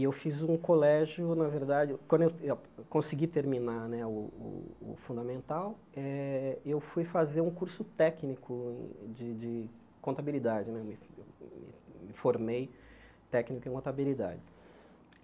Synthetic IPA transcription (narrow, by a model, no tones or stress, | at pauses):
ɪewfizũkolɛʒjʊnɐveɾd̪ad͡ʒɪkwɐ̃d̪ʊewekõsiɡit̪eɾminanɛʊʊ̰ʊ̰fũnd̪amẽnt̪aw | ɛewfujfazeɾũkuɾsʊt̪ɛknikʰʊḛ̃d͡ʒɪd͡ʒɪ | kõnt̪abilid̪ad͡ʒɪnɛewmɪḛwmɪ̰mɪfoɾmej | t̪ɛknikʊẽkõt̪abilid̪a̰d͡ʒɪ